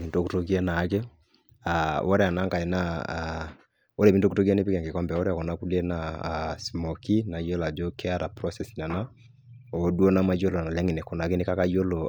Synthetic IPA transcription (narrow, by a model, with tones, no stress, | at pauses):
mi˨nto˦ku˦to˦ɡi˦a˦na˨˦ke˦ | a˨wo˦ɾe˨a˨na˦ŋɡa˨e˨na˦ | o˦ɾe˨mi˨nto˦ku˦to˦ɡi˦a˦ne˦pi˦kɛ˨ŋɡe˨kɔ˦mbɛ˨o˦ɾa˨kɔ˨na˨˦ku˦le˦na˨smo˨ki˦na˨jo˦la˨d͡ʒo˦kɛ˦a˦ɾa˨pɾɔ˦sɛ˨si˨na˨na˦ | o˨˦du˦o˦na˦ma˦jo˦lo˨na˨lɛ˦ŋe˨ne˨kɔ˨na˨ke˦ne˦ka˦ka˦jo˦lo˨